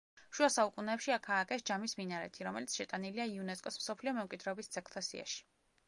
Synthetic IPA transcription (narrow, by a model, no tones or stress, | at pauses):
ʃuasaukʼunɛːpʃiakʰaːkʼɛsd͡ʒamisminaɾɛ̰t̪ʰiɾɔmɛlit̪sʃɛt̪ʼaniliaiunɛskʼɔsmsɔpʰliɔmɛmkʼwid̪ɾɛɔbist̪sʰɛkʰt̪ʰasḭa̰ʃi̥